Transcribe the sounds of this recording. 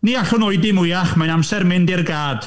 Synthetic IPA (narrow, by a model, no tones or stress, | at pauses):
niaɬʊnoɨdɪmʊjaχmajnamsɛrmɪndɪrɡaːd̥